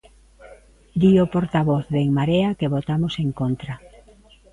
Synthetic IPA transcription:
d̪iopoɾt̪aβoθðeŋmaɾeakeβot̪amoseŋkont̪ɾa

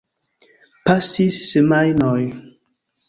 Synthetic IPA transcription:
pasisːemajnɔj

